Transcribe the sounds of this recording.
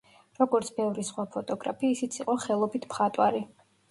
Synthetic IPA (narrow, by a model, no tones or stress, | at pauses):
ɾɔɡɔɾt̪sʰbɛvɾisχwapʰɔt̪ʼɔɡɾa̰pʰiːsit̪sʰiqʼɔχɛlˠɔbit̪ʰpχat̪ʼwaɾi